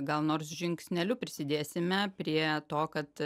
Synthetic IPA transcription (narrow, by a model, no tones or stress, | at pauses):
ɡɐlˠnoːɾsʒʲɪŋksʲnʲɛlʲʊpʲɾʲɪsʲɪd̪ʲeːsʲɪmʲɛpʲɾʲiɛt̪oːkɐt̪